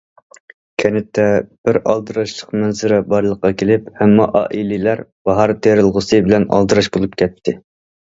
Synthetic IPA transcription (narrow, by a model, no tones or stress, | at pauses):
kʲʰɛnɪt̪ʰːɛb̥ɪɾɑ̰lˠd̪ɨɾɑʃlˠəqmɛnzɪɾɛbɑɾlˠəqːɑkʲʰelɪphɛmːɑ̰ʔɑ̰ːʔililæɾb̥ɑɦɑɾt̪ʰeɾɨlˠʁʊsɨbɪlɛnɑ̰lˠd̪ɨɾɑʃbolˠup̚kʲʰɛt̪ʰːɪ